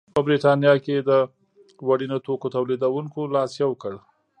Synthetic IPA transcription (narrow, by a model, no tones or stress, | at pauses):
pəbɾiʈɑnjɑked̪ə | waɽinot̪okot̪awlid̪awuŋkolɑsjawəkəɽ